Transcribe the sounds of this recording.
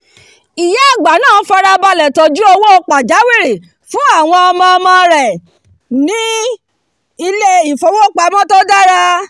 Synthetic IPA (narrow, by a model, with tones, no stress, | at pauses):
i˨jɛ˨˦a˦˨ɡ͡ba˨˦nãː˦˨˦fa˧ɾa˧ba˧lɛ˨tɔ˨d͡ʒu˦o˧wo˦o˦k͡pa˨d͡ʒa˨˦wi˦˨ɾe˨ | fũ˨˦a˦˨w̃ɔ̃˧ɔ˧mã˧ɔ˧mã˧ɾɛ˨ | nĩ˨˦ | i˧le˦i˨fo˨˧wo˦k͡pa˧˦mɔ̃˦to˦da˦ɾa˧